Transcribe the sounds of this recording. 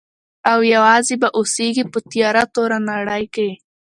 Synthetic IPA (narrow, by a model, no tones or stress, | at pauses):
awjawɑzebaʔoseɡipət̪jɑɾat̪oɾanaɽəjke